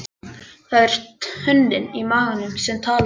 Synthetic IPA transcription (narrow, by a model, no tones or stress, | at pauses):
θaðɛɾ̥t̪hʏnd̪ɪnimaːɣanʏmsɛmt̪ʰaːl